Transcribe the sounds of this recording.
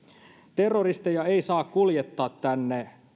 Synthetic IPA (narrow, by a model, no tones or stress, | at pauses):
t̪erːorist̪ejɑeisɑːkkuljet̪ːɑːt̪tænːe